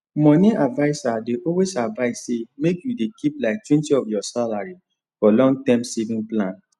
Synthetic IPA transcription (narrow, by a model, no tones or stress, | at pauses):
mɔ̃niʔadvaɪsadeʔɔlwesadvaɪssemekjudekʰiplaɪk̚twɛ̃ntiɔfjɔsalaɹi | fɔlɔ̃ŋɡtɛ̃msevĩŋplãn